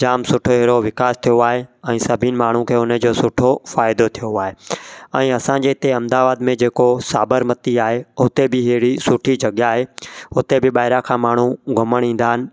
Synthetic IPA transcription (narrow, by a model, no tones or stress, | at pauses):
d͡ʑaːmsʊʈʰoɦeːɾoʋɪkaːst̪ʰijoaːɦeɛ̃ːsɐbʱinɪ̆maːɳ̤ũkʰeːʊnəd͡ʑoːsʊʈʰofaːɪd̪ot̪ʰijoaːɦeɛ̃ːɐsãd͡ʑeːɪt̪eɐ̃md̪aːʋaːd̪mẽd͡ʑeːkosaːbəɾmət̪iaːɦeɦʊt̪ebɪɦeɦɽisʊʈʰid͡ʑɐɠjaːɦeɦʊt̪ebɪɓaːɪɾakʰãːmaːɳ̤ũɡʱɐməɽ̃ĩːn̆d̪aːɦɪnɪ̆